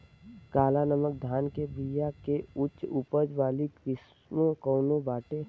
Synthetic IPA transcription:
kaːlanəmək̚d̪ʱaːnkebijakeʊʃupəd͡ʒʋaːlikɾɪs | mokɔʊnobaːʈe

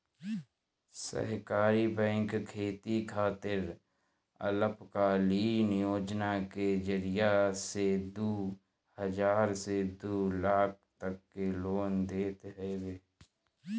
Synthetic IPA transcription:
sə̰ɦkaːɾibɛ̃ːŋkkʰeːt̪ikʰaːt̪ɪɾ | ə̰ləpkaliːnjoːd͡ʒnaked͡ʒəɾɪjased̪uː | həd͡ʒaːɾsed̪uːlaːk̚ʰt̪əkːeloːnd̪eːt̪ɦɛweː

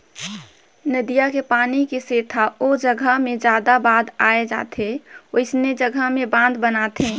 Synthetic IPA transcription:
nəd̪ijakepaːnikiseːt̪ʰaod͡ʒəɡʱəɦmẽd͡ʒjaːd̪abaːd̪aːed͡ʒa̰ːt̪ʰeoɪsned͡ʒəɡʱəɦmẽbãnd̪bənat̪ʰẽ

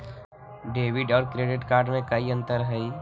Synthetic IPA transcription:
ɖeːʋɪɖɔːɾkɾeːɖɪʈkaːɾɖmẽkɐiə̃nt̪əɾɦɛi

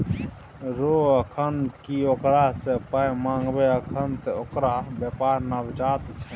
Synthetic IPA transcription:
ɾoəkʰənkiokɾasepəjmãŋɡbeəkʰənt̪eokɾabjəpaɾnabd͡ʒat̪t͡ʃʰɛ̥

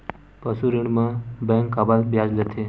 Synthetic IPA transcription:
pəsuɾiɽ̃mãbɛ̃ŋkababjad͡ʒlət̪ʰe

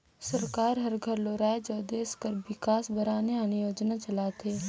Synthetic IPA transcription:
sɐɾkaːɾɦɐɾɡʱəɾloːɾaːed͡ʒoːd̪eːskəɾwɪkaːsbʱɐɾaːneaɐnɪjoːd͡ʒnat͡ʃɐlaːt̪eː

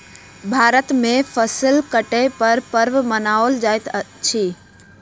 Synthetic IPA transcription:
bʱaːɾət̪mẽfʰəsəlkəʈepɐɾpəɾʋmənaːold͡ʒaːjt̪ʰət͡ʃʰiː

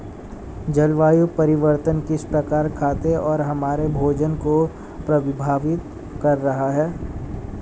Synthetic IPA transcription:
d͡ʒɐlʋaːjupɐɾɪʋəɾt̪ənkɪspɾɐkaːɾkʰaːt̪eɔːɾɦɐmaːɾebʱoːd͡ʒənko | pɾɐʋɪbʱaːʋɪt̪ | kɐɾːɐɦaɦɛː

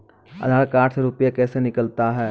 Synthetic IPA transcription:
ɐ̰d̪ʱaːkaːʈʰseɾuːpjakɛːsenɪkəlt̪aɦɛː

